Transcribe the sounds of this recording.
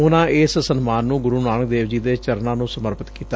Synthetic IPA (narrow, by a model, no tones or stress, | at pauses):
ʊnãːʔɪssənmaːnːũːɡʊɾuːnaːnək̚d̪eːʋd͡ʒiːd̪eːt͡ʃəɾnãːnũːsəməɾpət̪kiːt̪aː